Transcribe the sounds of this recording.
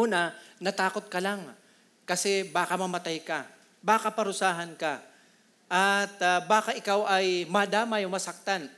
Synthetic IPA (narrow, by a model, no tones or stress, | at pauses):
uːnɐnɐt̪aːkot̪̚kɐlaŋ | kɐsɛbaːkɐmɐmɐt̪ajkɐ | baːkapɐɾʊsaːɦɐnkɐ | ʔat̪baːkaʔɪkawɐjmɐd̪aːmɐjʊŋmɐsɐk̚t̪an